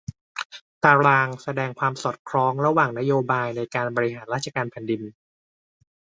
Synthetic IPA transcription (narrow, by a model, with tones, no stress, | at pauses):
t̪aː˧ɾaː˧ŋsa˧dɛː˧ŋkʰwaː˧msɔː˨˩t̪̚kʰɾɔː˦˥ŋɾa˧waː˨˩ŋna˦˥joː˧baː˧jna˧jkaː˧nbɔː˧ɾi˦˥ɦaː˩˦nɾaː˦˥t̪̚t͡ɕʰa˧kaː˧npʰɛ˨˩˦ndi˧n